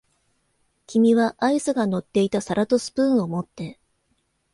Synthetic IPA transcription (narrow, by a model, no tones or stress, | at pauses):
kʲimʲiβaʔaisɨɡano̞t̪ːe̞it̪asaɾat̪o̞sɨ̥pɯ̟̃ɰ̃o̞mo̞t̪ːe̞